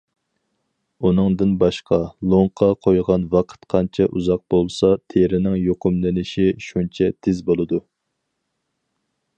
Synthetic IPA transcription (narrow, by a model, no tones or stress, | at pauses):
unɨŋd̪ɨnbɑʃqʰɑlˠoŋqʰɑqʰojʁɑnvɑqʰə̥t̪qʰɑnt͡ʃʰɛʔuzɑq̚b̥olˠsɑt̪ʰeɾɪnɪŋjoqʊmlɪnɪʃiʃunt͡ʃʰɛd̪̥ʰɪzbolˠɨd̪u